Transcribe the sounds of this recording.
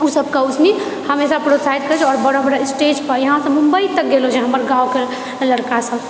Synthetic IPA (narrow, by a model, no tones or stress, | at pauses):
usəb̚kəud͡ʒni | həmesapɾosait̪̚kəɾd͡ʒʰɔːɾbəɽobəɾasʈed͡ʒpəɾjəɦãsəmumbəit̪ək̚ɡelod͡ʒeɦəməɾɡaoke | ləɽkasəb